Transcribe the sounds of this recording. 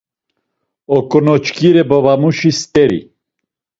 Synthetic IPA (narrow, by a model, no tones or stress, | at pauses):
ɔkʼɔnɔt͡ʃkʰiɾɛbɔvamuʃist̪ʼɛɾḭ